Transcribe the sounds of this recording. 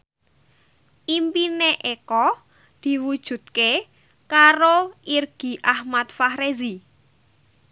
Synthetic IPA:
ʔimpineʔekɔ | d̪̥i̤wud̥ʒ̥ṳt̪̚ke | kaɾoirɡ̥i̤ʔahmat̪̚fahɾezi

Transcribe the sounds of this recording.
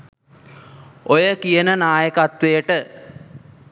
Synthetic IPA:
ojəkijənənaːjəkat̪ʋejəʈə

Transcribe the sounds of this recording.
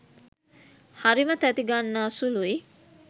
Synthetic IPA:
haɾimət̪æt̪iɡanːaːsului

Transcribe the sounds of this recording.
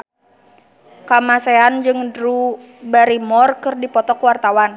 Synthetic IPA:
kamaseand͡ʒɨŋdɾu | baɾimɔrkɨrdipɔt̪ɔkəwart̪awan

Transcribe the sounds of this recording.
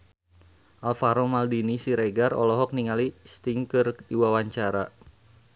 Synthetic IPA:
ʔalfaɾɔmaldinisiɾeɡarɔ̰lɔɦɔk̚niŋalist̪iŋkɨrdiwawaɲt͡ʃaɾa

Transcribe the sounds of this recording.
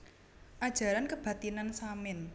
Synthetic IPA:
ʔad̥ʒ̥a̤ɾankəb̥ä̤t̪inansamɪn

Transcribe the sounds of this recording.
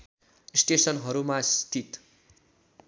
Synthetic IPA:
sʈesʌnɦʌɾumast̪ʰit̪

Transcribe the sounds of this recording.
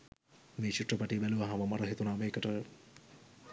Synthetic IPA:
meːt͡ʃuʈrəpaʈibæluʋɐɦaməmaɾəɦet̪unaːmeːkəʈə

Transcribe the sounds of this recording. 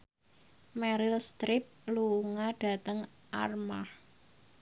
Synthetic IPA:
mɛɾɪlst̪ɾɪp̚luŋaɖ̥a̤t̪əŋ | ʔa̰rma̰h

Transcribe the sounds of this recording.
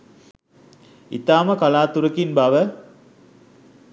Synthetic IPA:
ḭt̪aːməkalaːt̪uɾəkinbaʋə

